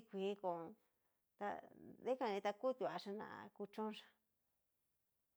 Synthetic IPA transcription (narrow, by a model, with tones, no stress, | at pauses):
kʷi˨˦ko˨˧ | t̪a̰˧ðe˦kã˧nĩ˧t̪a˧ku˦t̪ju˧a˧ʂa˧nã̰˨ʔa̰˧ku˧t͡ʃõ˦ʂḁ˧